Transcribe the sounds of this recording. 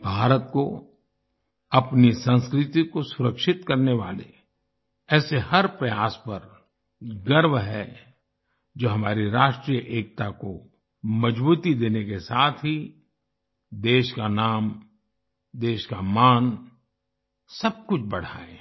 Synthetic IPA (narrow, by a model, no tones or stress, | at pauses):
bʱaːɾət̪ko | ɐpnisə̃nskɾɪt̪ikosʊɾəkʃɪt̪kɐɾneʋa̰ːlḛ | ɛːsehɐɾpɾɐjaːspɐɾ | ɡɐɾʋɦɛ̰ | d͡ʒoːɦɐmaːɾiɾaːʃʈɾijəʔeːk̚t̪ako | mɐd͡ʒbuːt̪id̪eːnekesaːt̪ʰɦi | d̪eːʃkanaːm | d̪eːʃkamaːn | sɐb̚kʊt͡ʃʰbɐɽ̤aːẽ